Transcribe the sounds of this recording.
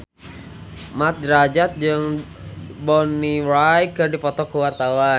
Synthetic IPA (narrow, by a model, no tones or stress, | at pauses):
mat̪̚dɾad͡ʒat̪̚d͡ʒəŋ | bɔniɾajkərdipɔt̪ɔkəwart̪awa